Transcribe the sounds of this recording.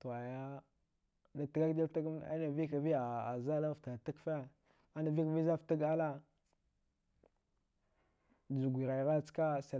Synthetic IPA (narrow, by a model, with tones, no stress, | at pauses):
ta˨ja˦ | na˨ta˦ɡa˦kdi˦lta˦ɡa̰˦na˨vi˦ka˨vi˦a˨a˨za˦la˦˨fta˨ta˦kfa˦ | a˦na˨vi˦ka˨vi˦za˦fta˦ɡa˦la˦˨ | zu˨ɡʷi˨ɾa˨jɾa˦˨t͡ska˦sa˨